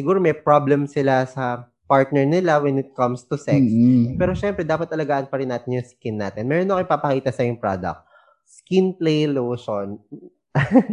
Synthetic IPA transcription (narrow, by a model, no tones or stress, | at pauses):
sɪɡuːɾomɛjpɾoblɛmsɪlasɐ | paɹt̪̚nɛɹnɪlawɛnɪt̪̚kɐmst̪ʊsɛkspɛːɾoʃɛmpɾɛd̪aːpɐt̪ʔɐlɐɡaːʔɐnpɐɾɪnːaːt̪ɪnjʊŋskinːa̰ːt̪ɪnmɛːɾonːɐʔkɪpapɐkiːt̪ɐsɐjʊŋpɾa̰d̪ɐ̰k̚t̪̚ | skinplejlowʃon